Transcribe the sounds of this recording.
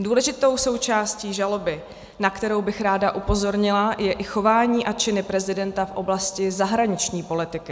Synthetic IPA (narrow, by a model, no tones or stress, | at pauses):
duːlɛʒɪt̪o̞wso̞wt͡ʃaːsciːʒalo̞bɪ | nakt̪ɛɾo̞wbɪxɾaːdaʔupo̞zo̞ɾɲɪlajɛʔɪxo̞vaːɲiːʔat͡ʃɪnɪpɾɛzɪdɛnt̪afʔo̞blascɪzaɦɾaɲɪt͡ʃɲiːpo̞lɪt̪ɪkɪ